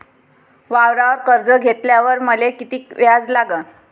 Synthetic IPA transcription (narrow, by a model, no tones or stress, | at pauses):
ʋaʋɾaʋəɾkəɾd͡zəɡʱet̪ljaʋəɾməlekit̪iːkʋjad͡zlaɡən